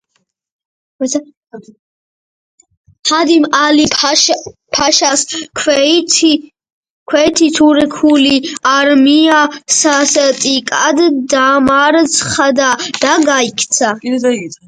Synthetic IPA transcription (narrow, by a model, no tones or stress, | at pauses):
had̪imalip | pʰaʃaskʰtʰ | kʰwɛt̪ʰit̪ʰuɾɛkʰuliaɾmiasasɛt̪ʼikʼad̪d̪amaɾsʰχad̪ad̪̥aɡaikʰt̪sʰa